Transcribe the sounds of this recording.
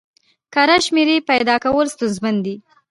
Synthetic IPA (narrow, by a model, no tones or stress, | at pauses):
kaɾaʃmeɾepajd̪ɑkawəlst̪unzmand̪i